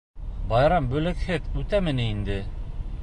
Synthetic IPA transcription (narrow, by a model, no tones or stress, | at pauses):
bɑjɾɑmbɵ̆lɘkhɘðʉt̪æmɘ̆nɘind̪ɘ